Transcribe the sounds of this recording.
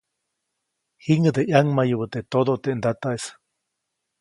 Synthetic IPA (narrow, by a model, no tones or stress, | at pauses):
hiŋəd̪eʔjaŋmajəβət̪et̪od̪ot̪eʔnd̪at̪aʔes